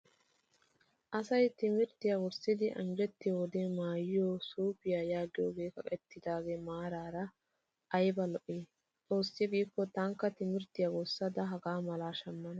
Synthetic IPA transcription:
ʔɐsɐjt̪ɪmɪɾt̪ɪjawɔsːɪd̪ɪʔɐ̰ŋɡɛt̪ːɪwɔd̪eːmaːjɪjoːsuːpɪjaːjaːɡɪjoːɡe̞ːkɐkʼɛt̪ːɪd̪aːɡeːmaːɾaːɾɐ | ʔɐjbɐlɔʔeː | t͡sʼo̞ːsːɪɡiːkːɔt̪aŋkːɐt̪ɪmɪɾt̪ɪjawɔsːɐd̪ɐɦɐɡaːmɐlaːʃɐmːɐnɐ

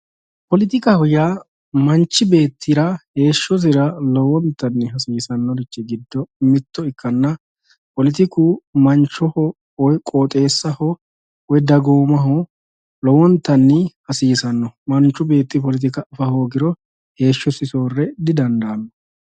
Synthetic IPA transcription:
pɔlɪt̪̬ɪkɐhɔja | mɐnt͡ʃːɪbe̞ːt̪ʰːɪɾɐhe̞ːʃːɔs̬ɪɾɐlɔwɔnt̪ːɐnːɪɦɐsiːsɐnːɔdɪt͡ʃːɪɡɪd̪ːɔmɪt̪ːɔɪkːɐnːɐ | pɔlɪt̪ɪkuːmɐnt͡ʃːɔhɔ | ɔjkʼoːt̪ʼe̞ːsːɐhɔ | wɛd̪ɐɡoːmɐɦɔ | lɔwɔnt̪ːɐnːɪhɐsiːsɐnːɔmɐnt͡ʃːʊbe̞ːt̪ːɪpɔlɪt̪̬ɪkɐfɐhoːɡɪɾɔ | he̞ːʃːɔsɪso̞ːrːɛd̪ɪd̪ɐnd̪ɐːnːɔ

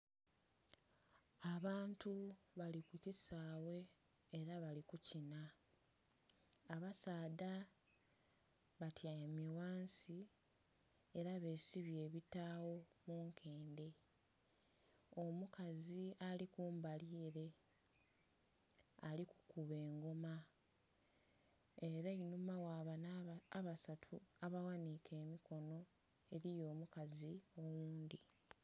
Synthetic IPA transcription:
aβaːntuβalikucisaːwe̞ː | ɾaβalikucina | βasaːda | βatʰiamiwaːnsi | e̞ɾaβe̞ːsiβje̞ːβitaːwo̞muːŋkʰe̞ːnde̞ | omukazialikuːmbaliːɾe̞ | aliku̥kuβe̞ːŋɡo̞ma | eɾainumawaβanaaβasatʰuaβawanikʰe̞ːmikʰo̞no̞ | e̞ɾijo̞ːmukaziomuːnd̪i

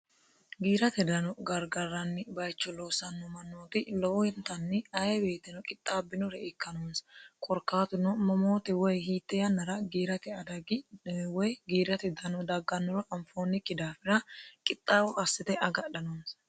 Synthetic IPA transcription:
ɡiːɾɐt̪ɛd̪ɐnɔɡɐɾɡɐɾːɐnːɪbɐjt͡ʃːɔloːsɐnːɔmɐnːoːt̪ɪlɔwɔɛnt̪ɐnːɪɐjɛbe̞ːt̪ːɪnɔkʼɪt̪ʼːaːbːɪnɔɾɛʔɛkːɐnoːnskʼɔɾkːaːt̪ʊnɔmɔmo̞ːt̪ɛwɔjhiːt̪ːɛjɐnːɐɾɐɡiːɾɐt̪ɛɐd̪ɐɡwɔjɡiːɾɐt̪ɛd̪ɐnɔd̪ɐɡːɐnːɔɾɔʔɐɱfoːnːɪkːɪd̪aːfɪɾɐkʼɪt̪ʼːaːwɔʔɐsːɪt̪ɛʔɐɡɐɗɐnoːns

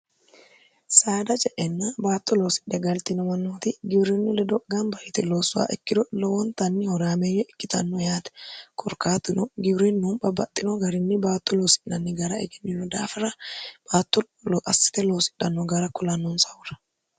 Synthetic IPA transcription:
saːd̪ɐt͡ʃʼɛʔɛnːabaːt̪ːɔloːsɪ̥ᶑɛɡɐlt̪ɪnɔmɐnːoːt̪ɪɡɪbɾɛnːɪlɛd̪ɔɡanbɐhɪt̪ɛloːsːʊa̰ːʔɛkːɪd̪ɔlɔwɔnt̪ɐnːɪhɔɾaːmejɔʔɛkːɪt̪ɐnːɔjaːt̪ɛ̥kʰʼɔɾkaːt̪ːɪnɔɡɪbɾɛnːʊmbɐbːɐt̪ʼːɪnɔɡɐɾɪnːɪbaːt̪ːɔloːsɪ̥ʔːɐnːɪɡɐɾɐɛ̰ɡɛnːɪnːɔd̪aːfɐɾɐb̥aːt̪ːɔ | lʔɐsɪ̥t̪ɛloːsɪ̥ᶑɐnːɔɡɐɾɐkʊlɐnːɔnsɐʊɾɐ̥

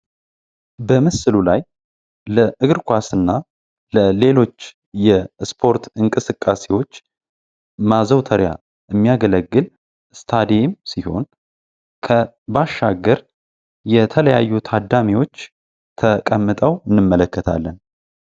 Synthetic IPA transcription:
bəməsɨlulaj | ləʔɨɡɨɾkʷʰasɨnːa | ləle̞lo̞t͡ʃː | jɛspʰo̞ɾt̪ʰɨŋkʼɨsɨkʼːasewo̞t͡ʃː | mazəwt̪ʰəɾja̰ | ʔɨmːijaɡələɡːɨl | st̪ʰad̪ijemsiho̞n | kʰə | baʃːaɡːəɾ | jɛt̪ʰələjajːut̪ʰad̪ːamiwo̞t͡ʃː | t̪ʰəkʼəmːɨt̪ʼəwɨnːɨmːələkːət̪ʰa̰lːən

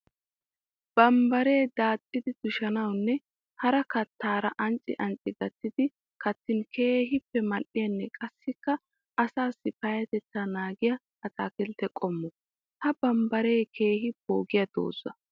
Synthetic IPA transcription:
b̥ɐmbɐɾeːd̪aːt̪ʼːɪd̪ɪd̪̥ʊʃɐnɐwnːɛ | hɐɾɐkɐt̪ːaːɾɐʔɐnt͡sʼːɪ̰ʔɐnt͡sʼɪɡɐt̪ːɪd̪ɪ | kɐt̪ːɪnkʰe̞ːɦɪpːɛmɐʔɪjɐnːɛkʼɐsːɪkːɐ | ʔɐsaːsːɪpɐjɐt̪ɛt͡sːanaːɡɪjɐ | ɐt̪ʼaːkɛlt̪ɛkʼɔmːɔ | hɐbɐmbɐɾeːkʰe̞ːɦɪbo̞ːɡɪjɐd̪̥o̰ːzːɐ̰

